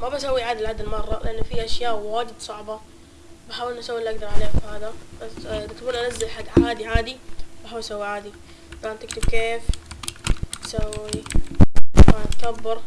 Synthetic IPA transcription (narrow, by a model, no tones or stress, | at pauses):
mabasawːiʕaːd̪ɪlʕaːd̪ɪlmɑrˤːɑlɪʔanːfiʔaʃjaːʔwaːdɪd̪sˤɑʕbɑ | baħaːwɪʔnːʔasawːɪlːʔaɡ̚d̪ɑɾˤʕaleːhafaːd̪abasd̪at̪kuːnʔanazːalħad̪ʕaːd̪iʕaːd̪ibaħaːwɪlʔsawːiʕaːd̪i | ʔaant̪ɪkt̪ʊb̚keːf | sawːi | mat̪kabːɑɾˤ